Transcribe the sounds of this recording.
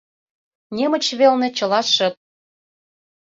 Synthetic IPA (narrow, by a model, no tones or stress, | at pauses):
nʲemə̆t͡ɕβelnĕt͡ɕɤ̆lɑʃə̆t̪̚